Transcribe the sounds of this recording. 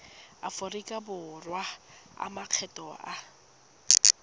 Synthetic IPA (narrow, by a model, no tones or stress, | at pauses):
afʊrikʼabʊrwaa̰maq͡χʰɛtʼɔa